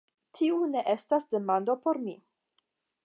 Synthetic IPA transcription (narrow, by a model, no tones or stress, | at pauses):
tʰiuneʔestasde̞mandopo̞ɾmi